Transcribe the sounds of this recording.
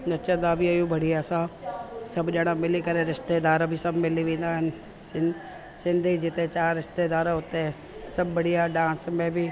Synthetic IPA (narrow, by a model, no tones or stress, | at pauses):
nɐt͡ʃə̃d̪abʱiɐjũbɐɽ̤iaːsãsɐbʱɗaɽ̃ãmɪlikɐɾeɾɪʃt̪ed̪aːɾbʱisɐbʱmɪliʋẽːnd̪aːɦɪnɪ | sɪ | sɪ̃nd̪ʱid͡ʒɪt̪et͡ʃaːɾɪʃt̪ed̪aːɾɦʊt̪e | sɐbbɐɽ̤ijaɖãːsmẽbʱi